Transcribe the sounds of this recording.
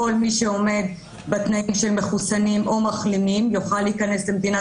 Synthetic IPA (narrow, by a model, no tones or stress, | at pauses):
o̞lmiʃeo̞me̞d̪ | bet̪naimʃe̞lmeχusanimʔomaχlimimjoχalːiikɐne̞slemd̪ina